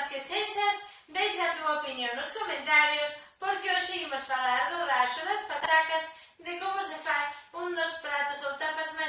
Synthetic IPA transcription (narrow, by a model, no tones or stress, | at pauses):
skeseʃɐs | d̪ejʃat̪uaopinjoŋnʊskomẽnt̪aɾjʊspoɾkɪoʃɪimʊsfalaɾðʊraʃʊðaspat̪akɐz | ðɪkomʊsefajund̪ʊspɾat̪ʊsowt̪apazma